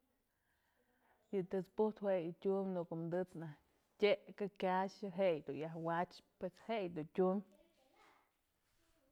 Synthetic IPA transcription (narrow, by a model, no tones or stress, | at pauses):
jɨt̪ɨt͡spuht̪hwejɨtʲumʲnukomd̪ɨt͡snah | tʲeʔkakʲaʃɨɦejd̪ujahwat͡ʃpeshejd̪utʲumʲ